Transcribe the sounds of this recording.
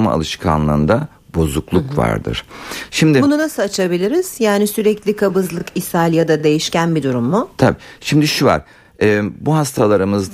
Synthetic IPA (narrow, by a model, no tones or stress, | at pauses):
ma̰a̰lˠɯʃkʰa̰nlˠɯːnd̪a | bo̞zuklˠukva̰ɾd̪ɯ̰ɾ̥ʃimd̪ɪbununasɯat͡ʃʰabilʲiɾiz̥jaːnisyɾɛclʲikʰabɯzlˠɯkisalʲjad̪ad̪e̞jiʃcænbid̪uɾumːʊt̪ʰabiːʃimd̪iʃuva̰ɾ̥ | ɛːbuɦast̪ʰalˠaɾɯmɯzd̪